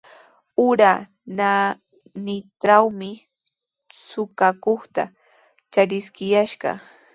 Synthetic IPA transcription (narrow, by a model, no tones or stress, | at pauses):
ʊɾa | na | nɪt̪ɾawmɪ | sʊkakoχt̪a̰ | t͡ʃaɾɪskɪjaʃɢɑ̰